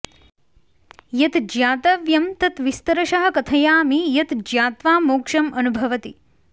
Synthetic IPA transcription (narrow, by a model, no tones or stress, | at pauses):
jɐt̪d͡ʒjaːt̪ɐʋjɐmt̪ɐt̪ʋist̪ɐɾɐʃɐɦɐ̆kɐt̪ʰɐjaːmijɐt̪d͡ʒjaːt̪ʋaːmoːkʂɐmɐnubʱɐʋɐt̪i